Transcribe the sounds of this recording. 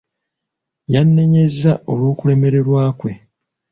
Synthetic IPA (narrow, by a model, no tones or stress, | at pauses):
janːe̞ɲe̞zao̞lwuːkule̞me̞ɾe̞ɾwaːkwe̞